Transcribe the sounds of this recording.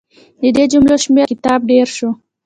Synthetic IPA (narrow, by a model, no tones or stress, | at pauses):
d̪id̪ed͡ʒumloʃmekɪt̪ɑːb̚ɖeɾʃo